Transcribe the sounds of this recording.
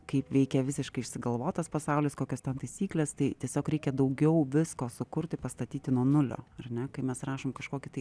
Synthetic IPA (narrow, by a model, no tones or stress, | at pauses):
kɐɪpʋʲɛɪkʲɛʋʲɪsʲɪʃkɐɪɪʃʲsʲɪɡɐlˠʋoːt̪ɐspɐsɑˑʊlʲɪskoːkʲost̪ʲɛnt̪ɐɪsʲiːklʲeːst̪ɐɪt̪ʲiɛsʲoːkɾʲɛɪkʲɛd̪ɐʊɡʲɛʊʋʲɪskoːsʊkʊɾʲt̪ʲɪpɐst̪ɐt̪ʲiːt̪ʲɪnuɔnʊlʲo̰ːɐrnʲɛkɐɪmʲɛsrɑːʃoːmkɐʃkoːkʲɪt̪ɐɪ